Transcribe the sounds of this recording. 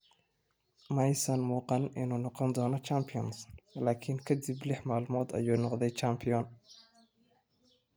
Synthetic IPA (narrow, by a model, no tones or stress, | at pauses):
mɐjsɐnmuːqɑnɪnuːnɔqɔnd̪ɔːnɔt͡ʃaːmpʰɪjɔnslaːkʰɪŋkʰɐd̪ɪblɪħmaːlmɔːd̪ɐ̰juːnɔqd̪ɛjt͡ʃampʰɪjɔn